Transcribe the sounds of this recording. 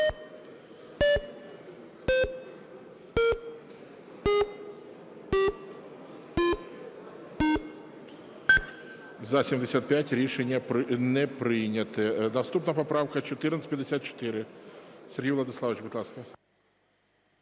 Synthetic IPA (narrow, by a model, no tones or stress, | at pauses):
zɐsʲemʲdʲɪsʲat̪̚pʲætʲɾʲiʂɛnʲɪjənɛpɾɪnʲət̪ɨd̪ɐst̪upnəjpɐpɾafkət͡ɕɪt̪ɨrnt̪ʲpʲɪdʲɪsʲat̪̚t͡ɕɪ̥t̪ɪɾʲɪsʲɪɾʲɡʲijvlˠɐəd̪ʲɪslˠavʲɪt͡ɕbɪt̪lˠask̪ə